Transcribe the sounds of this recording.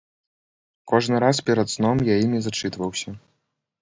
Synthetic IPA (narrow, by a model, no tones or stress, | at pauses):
kɔʐnɨɾaspʲɛɾɐt̪snɔmjajimʲizat͡ʂɨt̪vɐwsʲɐ